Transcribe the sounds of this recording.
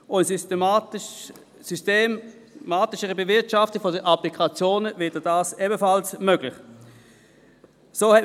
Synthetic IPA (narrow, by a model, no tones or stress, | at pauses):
ʊns | systeːm | maːtɪʃəʁəbevɪɐtʃaftəfodəʔaplikʰat͡sjoːnəveɐdədaːsebəfalsmøɡ̥lɪχ | soːhɛt